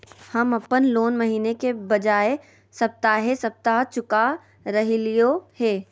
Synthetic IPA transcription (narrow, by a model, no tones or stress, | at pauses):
hɐmɐpːənloːnmɐɦiːnekebɐd͡ʒaːe | sɐp̚t̪aɦesɐb̚t̪aɦt͡ʃʊka | ɾɐɦilijoheː